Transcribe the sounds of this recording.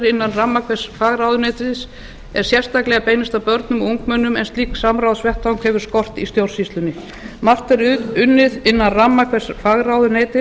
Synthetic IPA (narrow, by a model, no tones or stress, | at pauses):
ɾɪnːanramːakʰvɛ̥sfaːɣɾawðʏneːjt̪ɪðs | ɛɾ̥sjɛr̥st̪aklɛɣapeːjnɪst̪apœɾt̪nʏmuŋk̚mœnːʏmɛnst̪liːksamɾawðsvɛht̪awŋkhɛvʏɾ̥skɔr̥t̪ḭst̪jowr̥sist̪lʏnɪ | mar̥t̪ɛɾʏnːɪðɪnːanramːakʰvɛsfaːɣɾawðʏnejt̪ɪ